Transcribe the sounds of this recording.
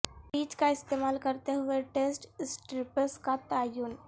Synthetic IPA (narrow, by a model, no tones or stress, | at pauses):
biːt͡ʃkaɪst̪eːmaːlkəɾt̪eɦʊeʈeːsʈsʈɾɪpəɾskat̪aːjuːn